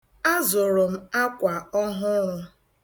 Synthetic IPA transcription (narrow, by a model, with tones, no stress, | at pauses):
a˦zʊ˨ɾʊ˨m̩˦a˦kʷa˨ɔ˦ɦʊ˦lʊ˦